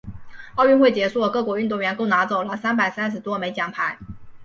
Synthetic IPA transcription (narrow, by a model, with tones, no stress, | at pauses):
ɑ˥˧ʊɥy˥˧nxwe˥˩ɪt͡ɕjɛ˧˥sɔ˥˩kɤ˥˩kwɔ˧˥y˥˧t̪o˥˩ŋɥɛ˧˥nko˥˩ʊna˧˥t͡so˨˩ʊlə˦sa˥npa˨˩ɪsa˥nʂ̬̩˧˥t̪wɔ˥me˧˥ɪt͡ɕjɑ˨˩ŋpʰa˧˥ɪ